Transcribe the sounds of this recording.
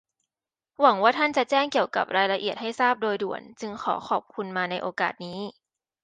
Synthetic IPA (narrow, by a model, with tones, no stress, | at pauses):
wa˩˦ŋwaː˥˩t̪ʰa˥˩nt͡ɕa˨˩t͡ɕɛː˥˩ŋki˨˩əwka̰˨˩p̚ɾaː˧jla˧ʔi˨˩ət̪̚ha˥˩jsaː˥˩p̚doː˧jdu˨˩ənt͡ɕɯ˧ŋkʰɔ̰ː˩˦xʰɔː˨˩p̚kʰu˧nmaː˧na˧jʔoː˧kaː˨˩t̪̚niː˦˥